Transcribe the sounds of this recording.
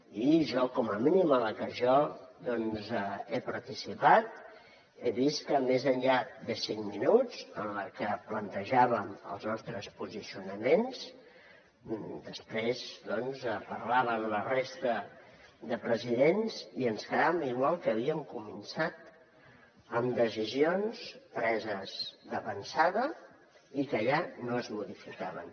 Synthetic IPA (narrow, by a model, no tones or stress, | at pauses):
iʒɔkɔməminimələkəʒɔðɔnzepəɾt̪isipat̪̚ | eβiskəmezənʎaðəsiŋminuzənləkəplənt̪əʒaβəmə̰lˠznɔst̪ɾəspuzisiunəmens | d̪əspɾezd̪ɔnzəpərlaβəmlərest̪əd̪əpɾəziðenziənskəðaβmiɣwalˠkəβiəmkumənsat̪ | əmd̪əzizionspɾɛzəzd̪əβənsaðə | ikəʎanoəzmuðifikaβə̰n